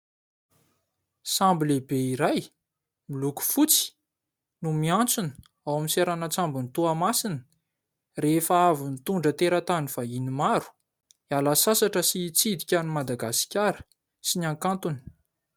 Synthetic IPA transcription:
sambilebeiɾaj | miluku̥fut͡si̥ | numiant͡sunə̥ | awaminseɾanət͡sambunit̪uamasinə̥ | refaavinit̪uɳɖ͡ʐət̪eɾat̪anifainimaɾu̥ | ialasasaʈ͡ʂəsit͡sid̪ikʲanimad̪aɡasi̥kʲaɾə̥ | sinãŋkant̪uni̥

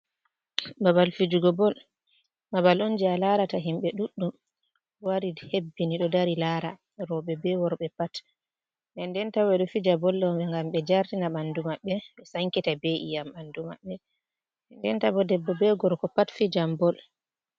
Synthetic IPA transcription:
babalfid͡ʒuɡɔbɔl | babalond͡ʒialaɾataɦimɓɛɗuɗːum | waɾihebːiniɗɔdaɾilaːɾa | ɾɔɓɛbɛwɔɾɓɛpat | ɛndɛntawɛɗɔfid͡ʒabɔlɗɔɓɛŋɡamɓɛd͡ʒaɾtinaɓandumaɓːɛɓɛsaŋkitabeʔḭjamanduma̰ɓːɛ | ndɛntabɔdɛbːɔbɛɡɔɾkɔpatfid͡ʒambɔl

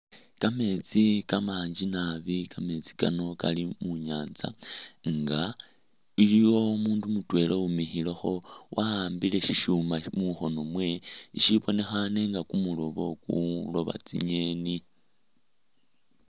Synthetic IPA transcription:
kame̞t͡sikamaːɲd͡ʒinaβikame̞t͡si̥kano̞kalimuɲaːnza̰ŋɡa | ilijwo̞muːndumutwe̞loumixilexo̞wʔaaːmbile̞ʃiʃuːmamuxo̞nomwe̞iʃiβo̞ne̞xane̞ŋɡakumulo̞βo̞kṵlo̞βa̰t͡sḭɲe̞ni

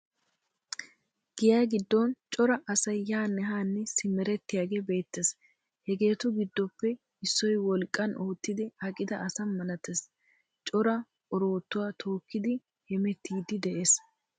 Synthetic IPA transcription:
ɡ̥ɪjaːɡɪd̪ːɔnt͡ʃʼɔɾɐʔɐsɐjːaːnːɛɦaːnːɛsɪmɛɾɛt̪ːɪjaːɡeːbe̞ːt̪ːes | hɛɡe̞ːt̪ʊɡɪd̪ːɔpːɛ | ɪsːɔjwɔlkʼːɐnʔoːt̪ːɪd̪ɪhɐkʼːɪd̪ɐʔɐsɐnmɐnɐt̪es | t͡ʃʼɔɾɐ | ɔɾo̞ːt̪ːʊwaːt̪ʰo̞ːkːɪd̪ɪ | hɛmɛt̪ːiːd̪ɪd̪ɛʔeːs

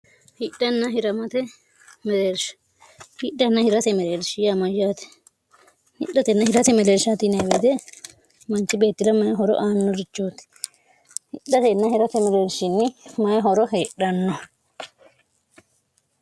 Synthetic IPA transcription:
hɪɗːɐnːɐɦɪɾɐmɐt̪ɛ | mɛɾeːɾʃ | hɪɗɐnːɐhɪɾɐt̪ɛmɛɾeːɾʃɪjamɐjːaːt̪ɛ̥ | hɪ̰ɗːɐt̪ɛnːɐhɪɾɐt̪ɛmɛleːɾʃaːt̪ɪnɐweːd̪ɛ | mɐnt͡ʃːɪbe̞ːt̪ːɪd̪ɐmɐjɦɔɾɔ̰ʔaːnːɔɾɪt͡ʃːoːt̪ɛ̥ | hɪɗːɐt̪ɛnːɐhɪɾɐt̪ɛmɛleːɾʃɪnːɪmɐjɦɔɾɔɦeːᶑɐnːɔ

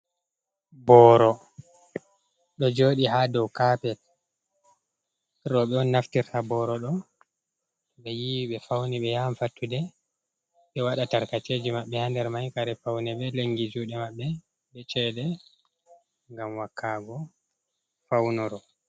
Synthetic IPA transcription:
bɔɾɔ | ɗɔd͡ʒoːɗiɦadɔwkapɛt | ɾɔɓɛɔnːaftiɾtabɔɾɔɗɔ | ɓɛjiwiɓɛfawniɓɛjamfatʰːudɛ | ɓɛwaɗataɾkateːd͡ʒimaɓːɛhandɛɾmajkaɾɛfawnɛɓɛleŋɡid͡ʒuɗɛmaɓːɛ | ɓɛt͡ʃɛɗɛ | ŋɡamwakʰːaːɡɔ | fawnɔɾɔ

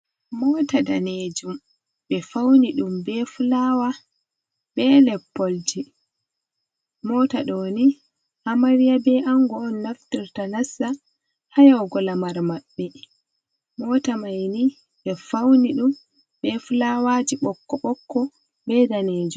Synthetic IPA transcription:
mɔːtadaneːd͡ʒum | ɓɛfawniɗumbɛfulawa | bɛlɛpːold͡ʒi | mɔːtaɗoːni | hamaɾijabɛʔaŋɡɔɔnːaftiɾtanasːa | hajawɡɔlamaɾmaɓːɛ | mɔːtamajni | ɓɛfawniɗum | bɛfulawad͡ʒiɓɔkːɔɓɔkːɔ | bɛdaneːd͡ʒum

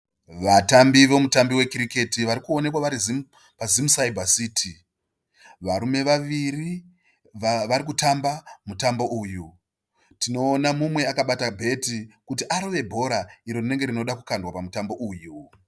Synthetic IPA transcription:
ʋatambiʋo̞mutambiwe̞kiɾike̞tiʋaɾikuone̞k̬waʋaɾizi | pazimusaibʱasiːtʰi | ʋaɾume̞ʋaʋiri | ʋaɾik̬utambamutambo̞ʔuju | tino̞ːnamumwe̞akaɓatabʱe̞tikutiʔaɾoʋe̞bʱo̞ɾaiɾorine̞ŋɡe̞rino̞ɗakukandwapamutambo̞ʔuju

